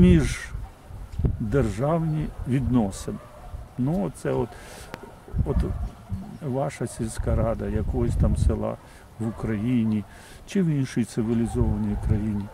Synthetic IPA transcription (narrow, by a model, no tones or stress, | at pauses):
mʲiʒ | d̪erʒɑwnʲiʋʲid̪nɔsɐm | nuɔsɛɔt̪ | ɔt̪ | ʋɑʃɐsʲilʲsʲkɐɾɑd̪ɐjɐkɔɦɔsʲt̪ɑmselˠɑ̰ | ʋʊkɾɐjinʲi | t͡ʃɪʋinʃɪjt̪sɪʋʲilʲizɔʋɐnɔjkɾɐjinʲi